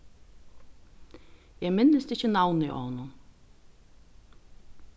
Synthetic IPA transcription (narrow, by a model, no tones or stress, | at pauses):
jɛmɪnɪst̪ɪçənawnɪʔɔ̰hɔnːʊn